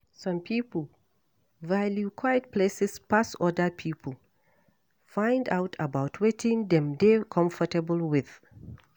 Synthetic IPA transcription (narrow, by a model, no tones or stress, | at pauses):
sʌ̃mpʰipəl̩ | valjukʰwaɪt̚pʰlesɛspasɔdəpʰiːpʰəl̩ | fãɪ̃ndaʊtʰəbaʊtʰwetʰɪ̃ŋdɛ̃mdekʰɔ̃ɱfətəbəlˠwɪð̥